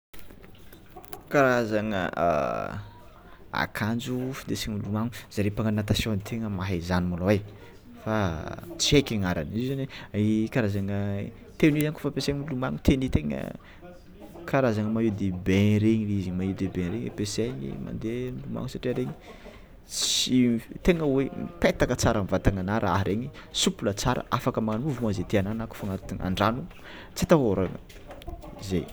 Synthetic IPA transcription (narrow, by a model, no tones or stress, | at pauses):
kaɾazaŋə̰ | a̰kʰand͡ʒufind̪esiɲilumaŋuz̥aɾepaŋanat̪asjonit̪ʰeŋəmaɦazanimulawaj | fat͡siekʲaŋaɾa̰nizzanikaɾazaŋə | t̪enizaŋko̥fapeseɲilumaŋut̪ʰenit̪eŋə̰ | kʰaɾazaŋəmajud̪ebẽɾeɲiizamaud̪ebẽɾeɲepeseɲḭma̰nd̪emluma̰ŋusaʈ͡ʂiaɾeɲi | sit̪eŋəwemipet̪akət͡saɾamvat̪aŋanaɾʔa̰ɦɾeɲisupulət͡saɾə̰afakəmaŋanuvumoazet̪eananaku̥faŋat̪iŋa̰ɳɖ͡ʐanu | t͡sit̪aɦoɾaŋə̰ | zḛ